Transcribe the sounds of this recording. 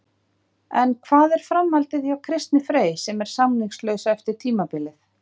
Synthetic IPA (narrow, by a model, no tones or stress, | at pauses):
ɛnkʰvaːðɛɾ̥fɾamːalt̪ɪθjawkʰɾɪst̪nɪfɾeːjsɛmɛɾ̥samniŋslœɥsɛft̪ɪɾ̥t̪ʰiːmapɪlɪθ